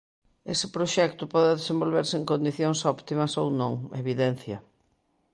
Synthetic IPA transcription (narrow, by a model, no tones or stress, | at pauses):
esɪpɾoʃɛk̚t̪ʊpɔðɪðesẽmbolβeɾsɪeŋkond̪iθjoŋsɔpt̪imɐsownõŋeβiðɛn̟θjɐ